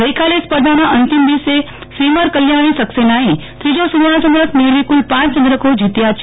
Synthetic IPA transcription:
ɡəjkalespəɾd̪ʱanãʔənt̪imd̪ise | sɾiməɾkəljaɽ̃isəksenaɦĩt̪ɾid͡ʒosud̪aɭat͡ʃənd̪ɾəkneɾʋikulpãt͡ʃt͡ʃə̃nd̪ɾəkod͡ʒʱit̪jat͡ʃʰ

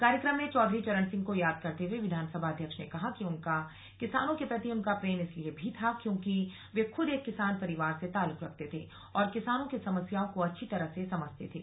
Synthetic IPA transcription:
kaːɾjəkɾəmːẽt͡ʃɔːd̪ʱɾit͡ʃɐɾənsɪ̃ŋɡ̚kojaːd̪̚kɐɾt̪eɦweʋɪd̪ʱaːnsəbʱaɐd̪ʱjəkʃnekɐɦakiʊnka | kɪsaːnõkepɾɐt̪iəʊmkapɾeːnɪsliebʱit̪ʰakjõːki | ʋeːxʊd̪eːkːɪsaːnpɐɾɪʋaːɾset̪aːlʊkɾɐk̚ʰt̪et̪ʰeː | ɔːɾkɪsaːnõkisɐməsjaːõkoɐtːʃʰit̪ɐɾəɦsesɐməd͡ʒt̪ḛt̪ʰḛː

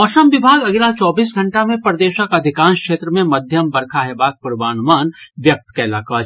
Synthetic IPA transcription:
ɔːʃəmʋɪbʱaːɡɐɡlat͡ʃɔːbiːs̬ɡʱɐ̃ɳʈamẽpɾɐd̪eːʃəkɐd̪ʱɪkãːnskʃeːt̪ɾəmẽmɐd̪ʱjəmbɐɾkʰaɦɛbaːk̚pʊɾʋaːnʊmaːnʋjɐk̚t̪kaɪlaːka

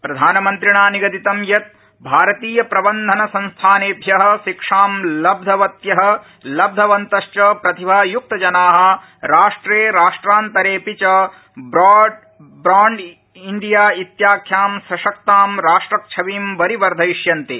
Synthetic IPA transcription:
pɾɐd̪ʱaːnɐmɐnt̪ɾiɳaːniɡɐt̪it̪ɐmjɐt̪̚ | bʱaːɾɐt̪iːjɐpɾɐbɐnd̪ʱɐnɐsɐnst̪ʰaːneːbʱjɐɦɐ̆ʃikʂaːmlɐb̚d̪ʱɐʋɐt̪jɐɦɐ̆ | lɐb̚d̪ʱɐʋɐnt̪ɐʃt͡ʃɐpɾɐt̪ʰibʱaːjuk̚t̪ɐd͡ʒɐnaːɦɐ̆ | ɾaːʂʈɾeːɾaːʂʈɾaːnt̪ɐɾeːpit͡ʃɐ | bɾaː | bɾaːɳɖ | ind̪ijaːit̪jaːkʰjaːmsɾɐʃɐk̚t̪aːmɾaːʂʈɾɐk̚t͡ʃʰɐʋiːmʋɐɾiʋɐɾd̪ʱɐiʃjɐnt̪i

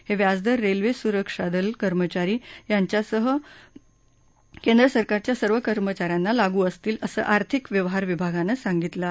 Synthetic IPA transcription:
heʋjad͡zd̪əɾːelʋesuɾəkʂad̪əlkəɾmət͡ɕaɾiːjaɲt͡ɕjasəɦə | kend̪ɾəsəɾkaɾt͡ɕjasəɾʋəkəɾmət͡ɕaɾjanːalaɡuːəst̪iːləsə̰ːʔaɾt̪ʰikʋjəʋɦaɾʋibʱaɡanəsaŋɡit̪la

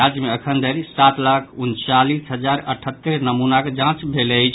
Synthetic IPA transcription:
ad͡ʒjəmeəkʰənd̪əɾisat̪lakʰunt͡ʃalisɦəd͡ʒaɾəʈʰət̪ːəɾnəmunaked͡ʒãt͡ʃbʱeləjt͡ʃʰ

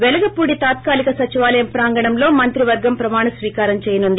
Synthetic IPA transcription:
ʋelɐɡɐpuːɽit̪aːt̪̚kaːlikɐsɐt͡ʃiʋaːlɐjɐmpɾaːŋɡɐɳɐmlo̞ːmɐnt̪ɾiʋɐɾɡɐmpɾɐmaːɳɐsʋiːkaːɾɐmt͡ʃeːjɐnund̪i

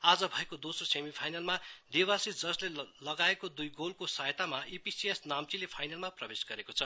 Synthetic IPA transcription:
ad͡zʌbʱʌekod̪osrosemipʰajnalmad̪iwasid͡zʌslelʌɡaekod̪ujɡolkosajt̪amaʔipisiesnamt͡silepʰajnalmaprʌbesɡʌɾekot͡sʰʌ

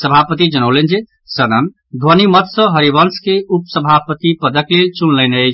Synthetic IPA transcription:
səbʱapət̪id͡ʒənəwlend͡ʒet̪ | sənən | d̪ʱənimət̪sə̃ɦəɾibənskeupsəbʱapət̪ipəd̪əklelt͡ʃunləne

